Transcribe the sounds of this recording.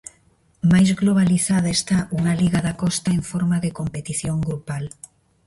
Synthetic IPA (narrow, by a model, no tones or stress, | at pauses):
majzɣloβ̞aliθaðaest̪aʔuŋaliɣaðakɔst̪aeɱfoɾmaðekompet̪iθjoŋɡɾupal